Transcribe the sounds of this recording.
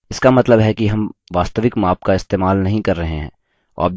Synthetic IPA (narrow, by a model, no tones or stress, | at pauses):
ɪskamɐt̪ləbɦɛkiɦɐmʋaːst̪əʋɪkmaːp̚kaɪst̪eːmaːlnɐɦĩkɐɾːɐɦẽɦɛ̰̃ː | ɔ̰ːɾb̚